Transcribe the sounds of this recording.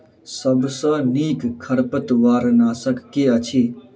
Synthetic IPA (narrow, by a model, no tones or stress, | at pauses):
səbsə̃niːkkʰːəɾpət̪ʋaːɾnaːsəkːeət͡ʃʰi